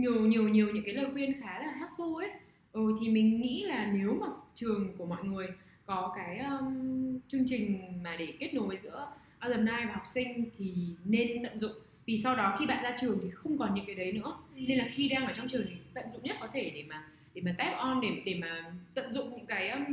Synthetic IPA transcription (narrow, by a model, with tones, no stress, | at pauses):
ɲi˨˩əwɲi˨˩əwɲi˨˩əwɲɨ̰˧˥ŋkaː˨˦jləː˨˩jkwi˧ənxaː˨˦laː˨˩ɦaː˦˥t̚fu˧ʔe˦˥t̚ | ʔo˧˩jt̪ʰi˨˩mï˨˩ŋ̟ŋḭ˧˥laː˨˩ne˨˦wmaː˨˩t͡ɕɨ˨˩əŋku˧˩əmɔ̰˧˨jŋɨ˨˩əj | kɔ˨˦kaː˨˦jʔəː˧mt͡ɕɨ˧əŋt͡ɕï˨˩ŋ̟maː˨˩ɗe˧˩ki˦˥ət̚no˨˦jvəː˨˦jzɨ̰˧˥ə | ʔaː˧ləː˨˩mnaː˧jvaː˨˩ɦɔ˨˩k͡p̚sï˧ŋ̟t̪ʰi˨˩ne˧nt̪ə̰˧˨nzʊ̰˧˨ŋ͡m | vi˨˩sa˧wɗɔ˨˦xi˧ɓa̰ː˧˨nzaː˧t͡ɕɨ˨˩əŋt̪ʰi˨˩xə˧wŋ͡mkɔ˨˩nɲɨ̰˧˥kaː˨˦jɗə˨˦jnɨ̰˧˥əne˧nlaː˨˩xi˧ɗaː˧ŋʔəː˧˩t͡ɕɔ˧wŋ͡mt͡ɕɨ˨˩əŋt̪ʰi˨˩t̪ə̰˧˨nzʊ̰˧˨ŋ͡mɲə˦˥t̚kɔ˨˦t̪ʰe˧˩ɗe˧˩maː˨˩ | ɗe˧˩maː˨˩t̪ɛ˦˥p̚ʔɔ˧nɗe˧˩ɗe˧˩maː˨˩t̪ə̰˧˨nzʊ̰˧˨ŋ͡mɲɨ̰˧˥ŋkaː˨˦jʔm